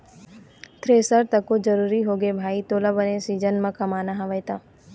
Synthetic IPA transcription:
t̪ʰɾeːsəɾt̪ɐkod͡ʒɐɾuːɾiɦoːɡebʱaːit̪oːlabənẽsiːd͡ʒənmɐ̃kɐmaːnaɦãʋəjt̪aː

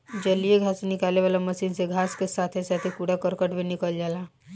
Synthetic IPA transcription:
d͡ʒɐlijeɡʱaːsenɪkaːleʋaːlamɐsiːnseɡʱaːskesaːt̪ʰesaːt̪ʰekuɽakəɾkəʈbʱinɪkəld͡ʒaːlaː

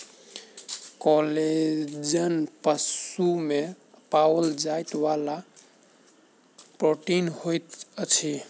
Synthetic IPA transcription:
kɔled͡ʒənpəsume | pawəld͡ʒajt̪wala | pɾoʈinhojt̪ət͡ʃʰi

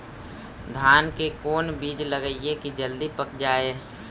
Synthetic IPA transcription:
d̪ʱaːnkekoːnbiːd͡ʒləɡəiekid͡ʒəld̪ipəkd͡ʒaːe

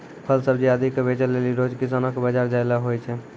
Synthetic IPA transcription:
pʰəlsəbd͡ʒiəd̪ʱikebet͡ʃəlːeliɾod͡ʒkis̬anɔkbəd͡ʒaɾd͡ʒaelaɦojt͡ʃʰɛ

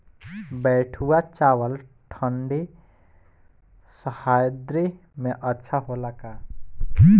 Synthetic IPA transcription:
bɛʈʰuwat͡ʃawəlʈʰəɳɖi | səhajd̪ɾi | mẽʔətːʃʰaɦolaka

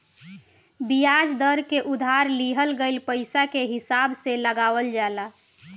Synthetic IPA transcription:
bijad͡ʒd̪əɾkeʔud̪ʱaɾliɦəlɡeɪlpəɪsakeɦisabseləɡaʋəld͡ʒala

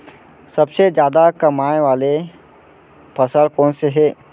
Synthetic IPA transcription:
sɐbsed͡ʒjaːd̪akɐmaːʋaːle | pʰɐsəlkɔːnseɦɛː

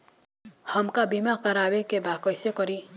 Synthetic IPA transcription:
həmkabimakaɾabekebakʌjsekʌɾi

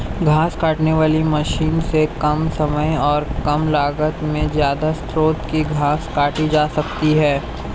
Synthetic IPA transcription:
ɡʱaːskaːʈneʋaːlimɐʃiːnsekɐmsɐməjɔːɾkɐmlaːɡət̪mẽzjaːd̪ast̪ʰɾoːt̪kiɡʱaːskaːʈid͡ʒaːsɐkt̪iɦɛː

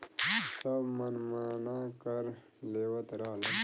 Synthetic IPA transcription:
sabmɐnmanaːkɐɾ | leːwɐt̪ɾaːlɐ

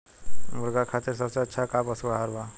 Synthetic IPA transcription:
muɾɡakʰat̪iɾsʌbseətːʃʰakabʌsuɦaɾba

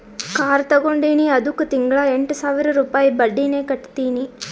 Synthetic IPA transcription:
kaːɾt̪ɐɡoɳɖiːniɐd̪ukːut̪iŋɡɭɐeɳʈusaːʋiɾɐɾuːpaːjibɐɖːiːneːkɐʈːt̪iːni

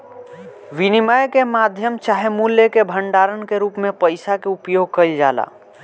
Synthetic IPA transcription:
ʋinimajkemad̪ʱjəmt͡ʃaːɦemuljəkebʱəɳɖaːɾənkeɾuːpmẽpəɪsakeupjoːɡ̚kəld͡ʒa̰ːla̰ː

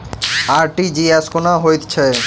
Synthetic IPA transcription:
aɾʈid͡ʑiɛskonaɦojt̪t͡ɕʰe

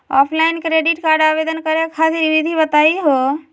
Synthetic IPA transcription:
ɔpʰlaɪnkɾeɖiʈkaɾɖaːbed̪ənkəɾekʰasɾiʋid̪ʱibət̪aiɦo

